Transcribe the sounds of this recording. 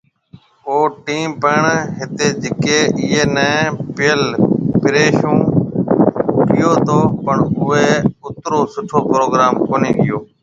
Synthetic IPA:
oːʈiːmpəːɳɦɪt̪eːd͡ʒɪkeːʔɪːɦeːnɛ̃ːpɪjəlpɪɾeːʃũː | ʈʰɪjoːt̪oːpəɳʊʋeːʊt̪ɾoːsʊʈʰoːpɾoːɡɾaːmkoːniːɗɪjoː

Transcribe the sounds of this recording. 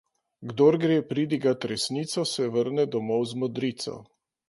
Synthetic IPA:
ɡd̪oɾɡɾeːpɾiːd̪iɡat̪ɾɛsniːt̪sɔsɛʋəɾnɛd̪ɔmɔwzmɔd̪ɾiːt̪sɔ̰

